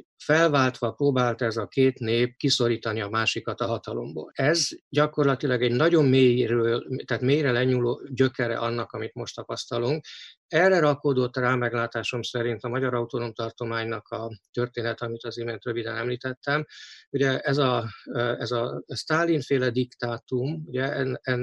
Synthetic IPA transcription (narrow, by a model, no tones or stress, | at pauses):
fɛlvaːlt̪ʋɒproːbaːlt̪ɛzɒkeːt̪neːp̚kiso̞ɾiːt̪ɒniɒmaːʃikɒt̪ɒɦɒt̪ɒlo̞̰mbo̰ːlɛzɟɒko̞rlɒt̪ilɒɡɛɟnɒɟo̞mːeːjrøt̪aːt̪meːjrɛlɛɲuːloːɟøkɛɾɛ̰ʔɒnːɒkɒmit̪mo̞ʃt̪ɒpɒst̪ɒluŋk̚ | ɛrːɛɾɒkoːd̪o̞t̪ːraːmɛɡlaːt̪aːʃo̞msɛɾint̪ɒmɒɟɒɾɒut̪o̞no̞mt̪ɒrt̪o̞maːɲnɒkʰɒt̪ørt̪eːnɛt̪ɛɒmit̪ɒzimeːnt̪røvid̪ɛnɛmliːt̪ɛt̪ːɛmuɟɛʔɛzɒ | ɛzɒst̪aːlːinfeːlɛd̪ikt̪aːt̪umuɟɛɛɛ